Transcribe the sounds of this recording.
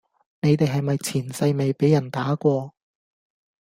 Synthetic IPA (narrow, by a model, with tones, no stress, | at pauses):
ne˨˧jt̪e˨jɦɐ˨jmɐ˨jt͡sʰiː˨˩nsɐ˧jme˨jpe˨˥jɐ˨˩nt̪aː˨˥kʷɔː˧